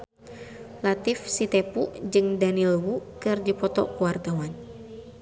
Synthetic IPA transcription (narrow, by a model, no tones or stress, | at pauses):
lat̪ifsit̪ɛpuʔd͡ʒɨŋdanilwukɨrdipɔt̪ɔ̰kuwart̪awan